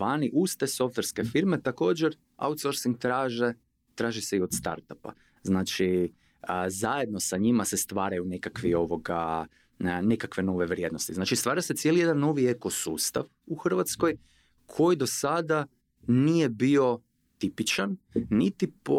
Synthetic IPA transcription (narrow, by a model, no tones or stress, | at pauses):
ʋaːniʔust̪eso̞ft̪ʋe̞ɾske̞fiɾme̞t̪ako̞ːd͡ʒeɾ | a̰wut̪so̞ɾsiŋɡ̚t̪ɾaːʒe | t̪ɾaːʒiseio̞d̪st̪a̰ɾt̪apa̰ | znaːt͡ʃi | zaje̞d̪̚no̞saɲimase̞st̪ʋaːɾajunekakʋio̞ʋo̞ɡa̰ | nekakʋe̞no̞ʋe̞ʋɾʲje̞d̪no̞st̪iznaːt͡ʃist̪ʋaːɾase̞t̪sje̞lijed̪anːo̞ʋieko̞sṵːst̪a̰ʋ | uxr̩ʋat̪sko̞j | kʰo̞jid̪o̞sad̪a | nije̞bio̞ | t̪ipit͡ʃanːit̪ip